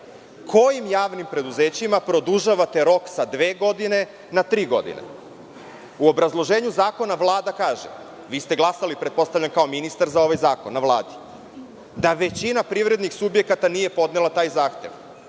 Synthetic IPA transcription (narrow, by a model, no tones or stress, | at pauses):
kʰo̞jimjaːʋnimpɾe̞d̪uzeːt͡ɕimapɾo̞d̪uʒaʋat̪e̞ɾo̞ksad̪ʋeːɡo̞d̪ine̞ | nat̪ɾiːɡo̞̰d̪ḭnḛ | uo̞bɾazlˠo̞ʒe̞ːɲuzaːko̞naʋlˠaːd̪akaːʒḛ | ʋiːst̪e̞ɡlˠasalipɾet̪̚po̞st̪avʎankao̞minist̪aɾzao̞ʋajzaːko̞nːaʋlˠaːd̪i̥ | d̪aʋe̞t͡ɕinapɾivɾe̞d̪nixsubje̞kat̪anije̞po̞d̪nelˠat̪aːjzaːxt̪e̞̰ʋ